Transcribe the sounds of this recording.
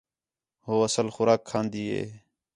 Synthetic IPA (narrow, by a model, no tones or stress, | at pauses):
ɦoːəsəlxʊɾaːkʰːãːnd̪iːɦḛː